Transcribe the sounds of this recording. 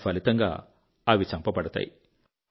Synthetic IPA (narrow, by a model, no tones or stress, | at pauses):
pʰɐlit̪ɐŋɡa̰ː | ɐʋit͡ʃɐmpɐpɐɽɐt̪a̰ːji